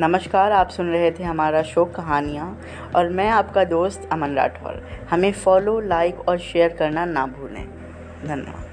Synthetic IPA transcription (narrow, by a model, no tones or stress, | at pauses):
nɐməʃkaːɾaːpsʊnɾɐɦet̪ʰeɦɐmaːɾaʃoːkːɐɦaːnijã | ɔːɾmɛ̃ːaːpkad̪oːst̪ɐmənɾa̰ːʈʰo̰ːɾhɐmẽfɔːlolaːɪkɔːɾʃeːəɾkɐɾnanaːbʱuːlḛ̃ː | d̪ʱɐnjə̰ʋa̰ːd̪